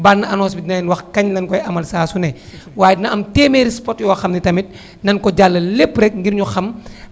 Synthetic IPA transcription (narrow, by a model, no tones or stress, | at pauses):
barnːɐɐnɔːsbidinajnwɐxkɐɲlɐnkɔjɐmɐlsaːsunɛ | waːjdinɐɐmteːmeɾispɔtjɔːxɐmnitɐmit̚ | nɐnkɔɟalːɐlepːɾɛk̚ŋɡiɾɲuxɐm